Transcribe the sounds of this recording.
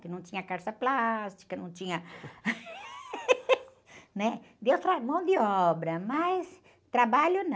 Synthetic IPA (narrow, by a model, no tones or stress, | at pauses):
kɪnɐ̃w̃t͡ʃ̪ĩɲɐkaɾsɐplast͡ʃi̥kɐnɐ̃w̃t͡ʃĩɲɐ | nɛd̪ewst̪ɾamɐ̃w̃d̪ɪɔbɾɐmɐjs | t̪ɾabaʎʊn